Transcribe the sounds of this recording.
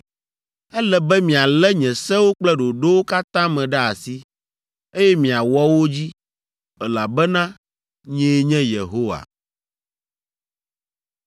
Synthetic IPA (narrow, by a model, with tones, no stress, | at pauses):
ɛ˦lɛ˨bɛ˦mĩ˨a˨lɛ˦ɲɛ̃˨sɛ̃˦wo˦k͡plɛ˦ɖo˨ɖo˦wo˦ka˦t̪ã˦mɛ̃˨ɖɛ˦a˨si˦ | e˦jɛ˦mĩ˨a˨wɔ˦wo˦d͡ʑi˦ | ɛ˨la˨bɛ˦nã˦ | ɲɛ̃˦ɲɛ̃˦je˨ɦo˦wa̰˨